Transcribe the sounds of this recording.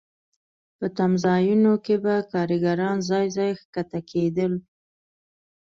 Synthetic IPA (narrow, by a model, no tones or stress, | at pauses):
pət̪amzɑjunokebakɑɾəɡaɾɑnzɑjzɑjxkat̪akʰed̪əl